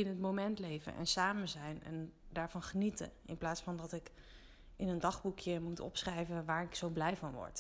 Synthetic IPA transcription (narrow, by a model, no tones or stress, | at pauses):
ɪnɦətmomɛntlejvə̰nʔɛ̰nsaːmənzɛjnɛ̰ndaːɹvɑnχənitə̰ɪ̰nplaːtsfɑndɑtɪk | ɪnəndɑχbukjəmutɔ̰psχrɛjvəʋaːɹɪksowblɛjvɑnʋɔ̰ɹt